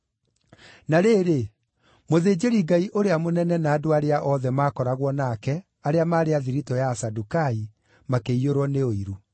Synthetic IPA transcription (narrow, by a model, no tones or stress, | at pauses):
naɾeːɾe | moðeːd͡ʑeɾiɡaiʔoɾeamonɛnɛnaːdoaɾeaʔɔðɛmaːkɔɾaɣwɔnakɛ | aɾeamaːɾeaðiɾitɔjasadukai | makeioɾwɔneoiɾu